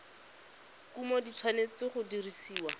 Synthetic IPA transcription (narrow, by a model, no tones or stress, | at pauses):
kumɔditʰwanet͡sɪχʊdirisiːwa